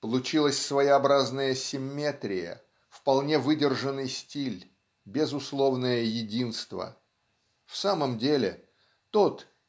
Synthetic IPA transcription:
pəlˠʊt͡ɕilˠəsʲsvəjɪɐbɾaznəjəsʲɪmʲːe̞t̪ɾʲɪjə̰ | fpɐlˠnʲe̞vɨdʲɪrʐənːɨjsʲtʲilʲ | bʲɪzʊslˠo̞vnəjəjɪdʲinst̪və̰ | fsaməmdʲelʲɪ | t̪ot̪

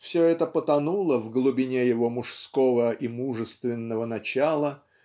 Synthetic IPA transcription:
fsʲoɛt̪əpət̪ɐnulˠəvɡlˠʊbʲɪnʲejɪvo̞mʊʂsko̞vəʔimuʐɨst̪vʲɪnːəvənɐt͡ɕalˠə

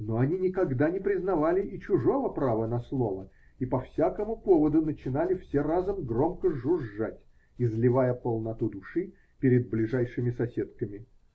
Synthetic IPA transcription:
noɐnʲinʲɪkɐɡd̪anʲɪpɾʲɪznɐvalʲɪʔːt͡ɕʊʐo̞vəpɾavənɐslˠovə | ipɐfsʲakəmʊpovəd̪ʊnət͡ɕɪnalʲɪfsʲerazəmɡro̞mkəʐʊʐːatʲ | ɪzlʲɪvajəpəlˠnɐt̪ud̪ʊʂɨ | pʲɪɾʲɪd̪̚blʲɪʐajʂɨmʲɪsɐsʲet̪kəmʲɪ

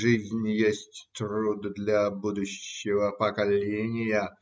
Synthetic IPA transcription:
ʐɨzʲnʲjesʲtʲt̪rud̪d̪lʲabud̪ʊɕːɪvəpəkɐlʲenʲɪjə

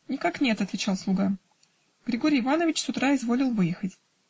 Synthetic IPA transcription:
nʲɪkaknʲe̞t̪ɐt̪vʲɪt͡ɕalˠslˠʊɡa | ɡ̥ɾʲɪɡoɾʲɪjːɪvanəvʲɪt͡ɕsʊt̪ɾaɪzvo̞lʲɪlˠvɨjɪxətʲ

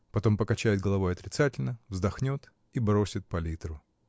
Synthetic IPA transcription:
pɐt̪o̞mpəkɐt͡ɕæjɪd̪̚ɡəlˠɐvo̞jɐt̪ɾʲɪt̪satʲɪlʲnəvzd̪ɐxnʲot̪ | ibɾo̞sʲɪt̪̚pɐlʲit̪ɾʊ

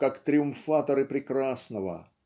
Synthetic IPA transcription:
kakt̪ɾʲɪʊmfat̪əɾɨpɾʲɪkɾasnəvə̰

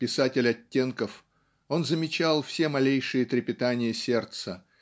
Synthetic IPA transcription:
pʲɪsatʲɪlʲɐtʲːe̞nkəf | o̞nzəmʲɪt͡ɕalˠfsʲe̞mɐlʲejʂɨjət̪ɾʲɪpʲɪt̪anʲɪjəsʲe̞rt̪sə

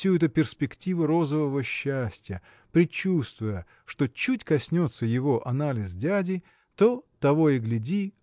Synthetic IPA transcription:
sʲuɛt̪ʊpʲɪrspʲɪktʲivʊɾo̞zəvəvəɕːæsʲtʲɪjə | pɾʲɪt͡ɕːust̪vʊjə | ʂt̪o̞t͡ɕutʲkɐsʲnʲo̞t̪səjɪvo̞ʔɐnalʲɪsdʲædʲɪ | t̪o̞t̪ɐvo̞ɪɡlʲɪdʲi

